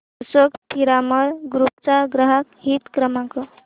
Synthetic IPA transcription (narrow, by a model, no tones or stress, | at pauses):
səkpiɾaməɾɡɾup̚t͡ʃaɡɾəɦəkɦit̪kɾəmakʌ